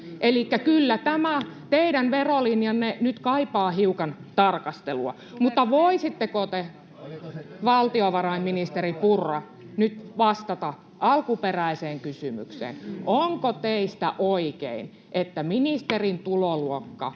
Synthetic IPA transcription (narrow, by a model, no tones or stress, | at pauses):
ʔelikːækylːæt̪æmæt̪eidænʋerolinjɑnnenyt̪kɑipɑːhiukɑnt̪ɑrkɑst̪eluɑ̰ | mut̪ːɑʋoisit̪ːekot̪e | ʋɑlt̪ioʋɑrɑimminist̪eripurːɑ | nyt̪ʋɑst̪ɑt̪ɑ | ʔɑlkuperæiseːŋkysymy̰ksḛːnʔoŋkot̪eist̪æ̰ʔoikḛin | ʔet̪ːæminist̪erint̪uloluokːɑ̰